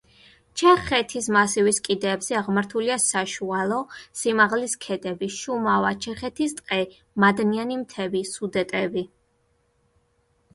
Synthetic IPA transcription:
t͡ʃʰɛχɛt̪ʰismasiviskʼid̪ɛːbz̥ɛaʁmaɾt̪ʰuliasaʃualˠɔsimaʁliskʰɛd̪ɛbiʃumavat͡ʃʰɛχɛt̪ʰist̪ʼqʼɛ | mad̪nianimt̪ʰɛbisud̪ɛt̪ʼɛbi

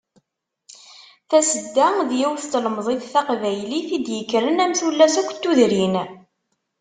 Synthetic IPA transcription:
θæsəd̪ːæðjiwθt̪ləmðˤeθθæqvæjliθid̪jəkːɾənæmθulːæsækʷːə̥t̪ːuðɾin

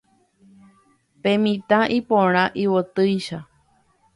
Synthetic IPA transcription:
pẽmĩt̪ãʔipõɾ̃ãʔiwot̪ɨjʃa

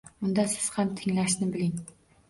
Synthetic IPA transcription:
ʊnd̪ɑsɪz̥hamt̪ʰɪŋlæʃnɪbɪlɪŋ

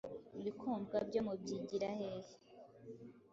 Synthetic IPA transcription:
uβikʰuːmbɡabɟomubɟiɟiɾahehe

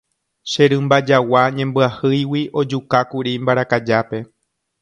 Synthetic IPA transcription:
ʃeɾɨ̃mbad͡ʒawaɲẽ̞mbɨahɨjwiʔo̞d͡ʒukakuɾimbaɾakad͡ʒape̞

